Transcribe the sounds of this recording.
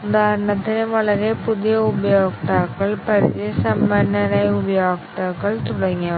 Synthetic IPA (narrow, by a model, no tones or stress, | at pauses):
ʊd̪aːɾɳɐt̪ːɪneʋɐɭɐɾeːpʊðɪjɐʊbɐjoːk̚ʈ̪aːkːɐɭpɐɾɪʋesɐmbɐnɐnɐɪʊbɐjaːkʈ̪aːkːɐɭt̪ʊɽɐŋɡɐ